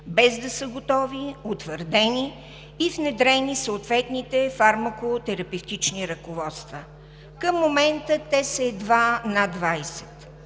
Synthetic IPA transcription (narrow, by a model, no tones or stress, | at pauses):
bɛzd̪ɐsəɡot̪ɔviot̪vəɾd̪ɛniː | vnɛd̪ɾɛnisəːt̪vɛt̪nit̪ɛfaɾmɐkot̪ɛɾɐpɛft̪it͡ʃniɾɐkovɔt̪st̪və | kəmːomɛnt̪ət̪ɛsəɛd̪vanad̪vajsɛ̥t̪